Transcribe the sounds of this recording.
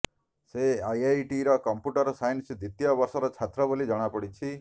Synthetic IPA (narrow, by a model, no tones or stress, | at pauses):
seajajʈiɾɔkɔmpuʈɔɾɔsajnsid̪it̪ijɔbɔɾsɔɾɔt͡ʃʰat̪ɾɔbolid͡ʒɔɽ̃apɔɽit͡ʃʰi